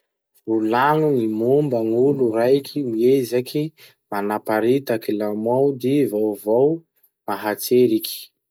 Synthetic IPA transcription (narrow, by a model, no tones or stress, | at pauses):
ulanunimumbəŋulurajkʰimiezakʰi | manapaɾit̪akilamwawd̪ivowvow | maɦat͡seɾiki̥